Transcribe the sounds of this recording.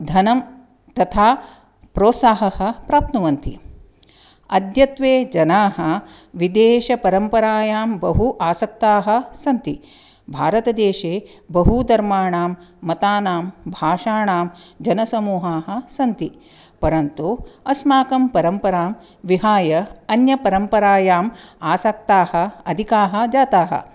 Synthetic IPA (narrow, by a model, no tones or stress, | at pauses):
d̪ʱɐnɐm | t̪ɐt̪ʰaː | pɾoːt̪saːɦɐhɐ̆pɾaːp̚t̪nɐʋɐnt̪ḭ | ɐd̪jɐt̪ʋeːd͡ʒɐnaːɦɐ̆ | ʋid̪eːʃɐpɐɾɐmpɐɾaːjaːmbɐɦuʔaːsɐk̚t̪aːɦɐ̆sɐnt̪i | bʱaːɾɐt̪ɐd̪eːʃeːbɐɦud̪ɐɾmaːɳaːmːɐt̪aːnaːmbʱaːʂaːɳaːmd͡ʒɐnɐsɐmuːɦaːɦɐ̆sɐnt̪i | pɐɾɐnt̪uɐsmaːkɐmpɐɾɐmpɐɾaːm | ʋiɦaːjɐɐnjɐpɐɾɐmpɐɾaːjaːmaːsɐk̚t̪aːhɐ̆ɐd̪ʱikaːɦɐ̆d͡ʒaːt̪aːɦɐ̰